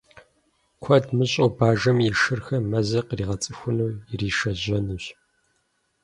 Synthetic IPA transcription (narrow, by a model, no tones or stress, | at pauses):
kʷʰɐdmɨɕʼowbaːʒɐmjɪʃɨrxɐmɐzɐqriːʁɐt͡sʼɨxʷʊnuːjɪriːʃɐʑɐnuɕ